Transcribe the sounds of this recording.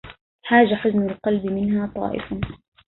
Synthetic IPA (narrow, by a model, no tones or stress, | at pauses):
ħaːd͡ʒaħʊznʊlqɑlbɪmɪnɦaːt̪ˤɑ̰ːʔɪ̰fa